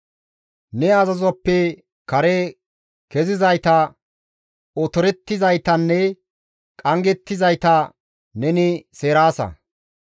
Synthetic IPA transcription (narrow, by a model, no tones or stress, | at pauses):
nɛɐzɐzɔpːɛ | kɐɾe | kɛzɪzɐjt̪ɐ | ɔt̪ɔɾɛt̪ːɪzɐjt̪ɐnːɛ | kʼɐŋɡɛt̪ːɪzɐjt̪ɐ | nɛnɪseːɾaːsɐ̰